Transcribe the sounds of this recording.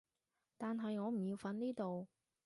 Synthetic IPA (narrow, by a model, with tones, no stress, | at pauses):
t̪aː˨nɦɐ˨jŋɔː˨˧m̩˨˩jiː˧wfɐ˨˥nniː˥t̪o˨w